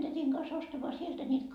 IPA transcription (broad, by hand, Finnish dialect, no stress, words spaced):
tætiŋ kɑs ostɑmɑː sieltæ niːt